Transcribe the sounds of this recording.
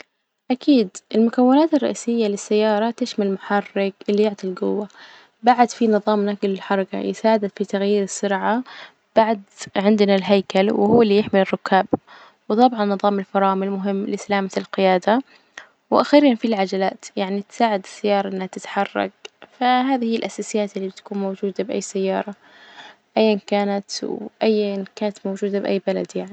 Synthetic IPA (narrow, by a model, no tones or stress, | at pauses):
ʔakʰiːd̪ʔɪlmʊkawːɪnaːt̪ɪrˤːɑʔiːsɪjːalɪsːajːɑːɾˤɑt̪ɪʃmalmʊħɑrːɪkʔɪlːijʊʕt̪ˤilɡʊwːa | baʕad̪finɨðˤɑːmnaɡɪlɪlħɑɾˤɑka̰jɪ̰saːʕd̪ad̪fit̪aɣjiːɾɪsːʊɾʕa | b̥aʕd̪ʕɪnd̪nalɦajkalwɪhuːlːijɪħmɪlɪrˤːʊkːaːb | wt̪ˤɑbʕɑnːɨðˤɑːmɪlfɑɾˤɑːmɪlmʊɦɪmːlɪsalaːmalqɪjaːd̪a | wʔaxiːɾiːnfilʕad͡ʒalaːt̪jaʕnit̪saːʕɪd̪ɪsajːɑːɾˤɑʔɪnːhat̪ɪt̪ħɑrˤːɑ̰k̚faɦaːðihijːɪlʔasaːsɪjaːt̪ɪlːibɪt̪ḁkuːnmowd͡ʒuːd̪abʔa̰jːsajːɑːɾˤɑ | ʔajːankaːnat̪wʔajːankaːnat̪mowd͡ʒuːd̪abʔa̰jːbala̰d̪jaʕni